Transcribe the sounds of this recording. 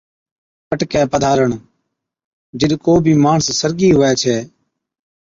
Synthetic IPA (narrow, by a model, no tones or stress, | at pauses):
pəʈkɛːpəd̪ʱaːɾəɳ | d͡ʒɪɗkoːbʱiːmaːɳəssəɾɡiːɦʊːɛːt͡ʃʰɛː